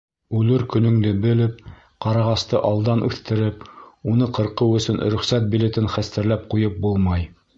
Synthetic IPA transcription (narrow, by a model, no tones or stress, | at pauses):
ʉlɘɾkɵ̆nɵ̆ŋlɘbɘ̆lɘp̚ | qɑɾɑʁɑst̪ɤʔɑlˠd̪ɑnʔʉθt̪ɘ̆ɾɘpunɤqɤ̆ɾqɤwɵ̆sɵnɾɵ̆χsæt̪̚bilet̪ɘnχæst̪ɘ̆ɾlæp̚qujɤp̚bulˠmɑj